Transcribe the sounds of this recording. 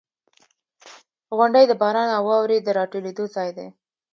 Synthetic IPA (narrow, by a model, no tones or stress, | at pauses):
ɣʊɳɖəjd̪əbɑɾɑnawɑwɾed̪əɾɑʈoled̪ozɑjd̪ḛ